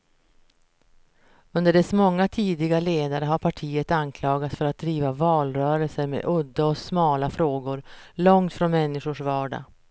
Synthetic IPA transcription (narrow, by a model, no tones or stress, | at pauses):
ɵnd̪əɖɛsmɔŋːat̪ʰiːd̪ɪɡaleːd̪aɾəɦaɾpʰaʈʰiːət̪ankʰlɑːɡat̪sfœɾat̪̚d̪ɾiːvavɑːlɾœːɾəlsəɾmḛʔɵd̪ːaɔsmɑːlafɾoːɡʊɾlɔŋt̪fɾɔnmɛnːɪʂʊʂvɑːɖa̰